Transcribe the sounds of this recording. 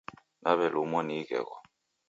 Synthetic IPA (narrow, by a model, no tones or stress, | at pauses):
naβɛlumɔnikɛ̰ɣɔ̰